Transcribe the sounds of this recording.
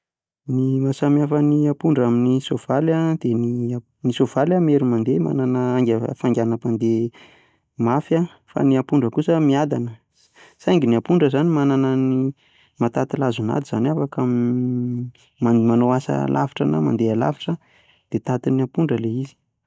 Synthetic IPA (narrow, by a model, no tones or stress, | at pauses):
nimasamiafəniapuɳɖ͡ʐaminisov̥alad̪̥eni | nisov̥aljameɾumand̪ema̰nanəaŋɡʲəfaŋɡʲanapand̪e | mafja | fa̰niapuɳɖ͡ʐəkusəmiad̪anə | sajŋɡiniapuɳɖ͡ʐəzanimananəni | mat̪at̪ilazuna̰d̪iz̥a̰nafakam | mamanoasa̰lʔa̰fi̥ʈ͡ʂa̰na̰ma̰nd̪eala̰fi̥ʈ͡ʂə | d̪̥et̪at̪iniapuɳɖ͡ʐəleizi̥